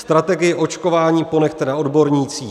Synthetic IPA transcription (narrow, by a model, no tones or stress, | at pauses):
st̪ɾat̪ɛɡɪjɪʔo̞t͡ʃko̞vaːɲiːpo̞nɛxt̪ɛnao̞dbo̞ɾɲiːt͡siː